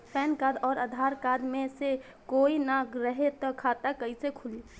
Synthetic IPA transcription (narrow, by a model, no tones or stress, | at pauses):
pʰɛːnkad̪ɔːɾəd̪ʱaɾkad̪mẽse | koinaɡɾəɦet̪ɔkʰat̪akəisekʰuli